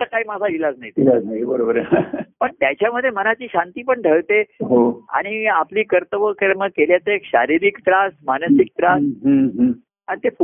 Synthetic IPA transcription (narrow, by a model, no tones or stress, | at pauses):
t̪əkaɦiːmad͡zʱailad͡znaɦit̪ilad͡znajibəɾobəɾpəɳt̪jat͡ɕjaməd̪ʱːjemənat͡ɕiːɕant̪iːpəɳʈəɭt̪eɦoa̰ɽ̃iapliːkəɾt̪əʋəkəɾməɡ̚keljat͡səekɕaɾiɾikʈ̪ɾasmanəsik̚t̪ɾasɦəɦə | anit̪ef